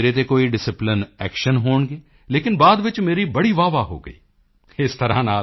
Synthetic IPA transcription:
eːɾet̪̬ekoːiɖɪsɪplɪnɛːkʃənɦoːɳɡeː | leːkɪnbaːd̪ʋɪt͡ʃmeːɾibɐɽiʋaːʋaɦo̰ːɡə̰ḭː | ɪst̪ɐɾa̰naː

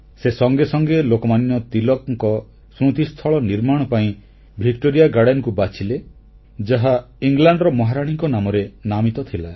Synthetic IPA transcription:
sesɔŋɡesɔŋɡelokɔmanjɔt̪ilɔkŋkɔ | sɾut̪ist̪ʰɔɭɔniɾmaɽ̃ɔpaĩ | bʱikʈoɾijaɡaɽenɔkubat͡ʃʰile | d͡ʒaɦa | iŋlaɳɖɾɔmɔɦaɾaɽ̃iŋkɔnamɔɾenamit̪ɔt̪ʰila

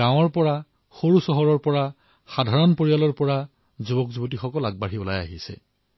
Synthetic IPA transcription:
ãw̃ɔɹpɔɹa | xoɹusɔɦɔɹɔɹpɔɹa | xadʱaɹɔnpoɹijalɔɹpɔɹa | zubɔkzubɔtixɔkɔlaɡ̚baɹiɔlaja̰ɦisɛ̰

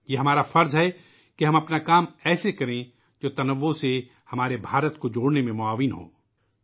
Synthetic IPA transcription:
jeːɦɐmaːɾafɐɾzɦɛ | keɦɐ̃mɐpnakaːmɛːsekɐɾẽ | d͡ʒoːt̪ɐnəʋːose | hɐmaːɾebʱaːɾət̪kod͡ʒoːɽnemẽmʊaːʋɪnɦo̰ː

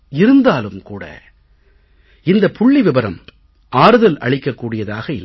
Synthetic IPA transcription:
ɪɾɯnd̪aːlɯmkuːɽɐ̰ | ɪnd̪ɐpʊɭːiʋɪbɐɾɐm | aːɾɯðɐlɐ̰ɭɪkːɐkːuːɽɪjɐðaːɣɐɪl

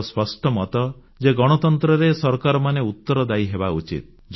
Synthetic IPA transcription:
spɔsʈɔmɔt̪ɔ | d͡ʒeɡɔɽ̃ɔt̪ɔnt̪ɾɔɾesɔɾkaɾɔmaneut̪ːɔɾɔd̪aiɦebaut͡ʃḭt̪̚ | d͡ʒ

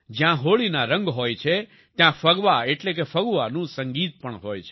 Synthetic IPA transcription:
d͡ʒjãɦoɭinaɾəŋɡɦojt͡ʃʰe | t̪jãfəɡʋaeʈlek̬efəɡʋanũsəŋɡit̪̚pəɳɦojt͡ʃʰe

